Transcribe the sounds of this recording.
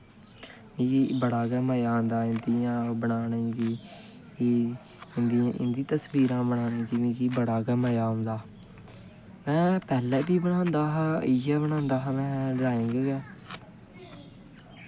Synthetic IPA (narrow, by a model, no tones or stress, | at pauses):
mĩːkiːbəɽaːɡɛːməjaːõnd̪aːɪnd̪iːãːbənaːnẽːɡiː | kiː | ɪnd̪iãːʔɪ̰nd̪ĩːt̪əsbiːɾãːbəɽaːnẽːɡiːmĩːkiːbəɽaːɡɛːməjaːʊ̃nd̪aː | mɛ̃ːpɛːlɛːbiːbənãːnd̪aːɦãːɪjaːbəñãːnd̪aːɦãːmɛ̃ːɾaːẽːŋɡːɡɛː